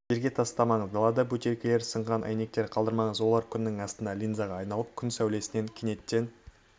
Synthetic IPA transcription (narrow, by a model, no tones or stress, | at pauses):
ʒe̞ɾɡʲe̞t̪ʰɑst̪ɑmɑɴəzd̪ɑlˠɑd̪ɑbʉt̪eɾkʲele̞ɾsəɴʁɑnʔæ̰jne̞k̚t̪e̞ɾqʰɑlˠd̪əɾmɑɴəzwo̞lˠɑɾkʲʰʏnːɪŋɑst̪ənd̪ɑlʲijnzɑʁɑːjnɑlˠəp̚kʲʰʏnsæwle̞sɪne̞ŋkʲʰene̞t̪ːe̞n